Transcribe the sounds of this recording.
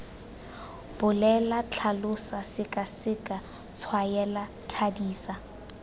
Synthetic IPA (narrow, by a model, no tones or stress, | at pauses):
b̥ʊlɛlat͡ɬʰalʊsasɪkʼasɪkʼa | t͡sʰwajɛla | tʰadiːsa